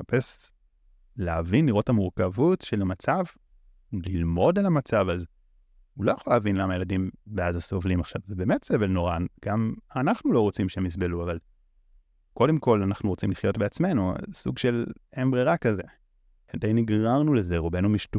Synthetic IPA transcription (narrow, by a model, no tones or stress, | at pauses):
ape̞s | leavinliʁo̞thamuʁkavutʃelamat͡sav | lilmo̞delamat͡savaz | ulo̞jaχolavinlamaje̞ladimbeazaso̞vlimaχʃavzebe̞ːmetsevelno̞ʁaɡ̥amanaχnulo̞ʁot͡simʃehemis̬be̞luaval | ko̞de̞mko̞lanaχnuʁo̞t͡simliχjo̞tbeat͡sme̞nua̰sṵɡʃe̞lembʁeʁakaze̞ | dejniɡʁaʁnulezeʁobe̞numiʃtu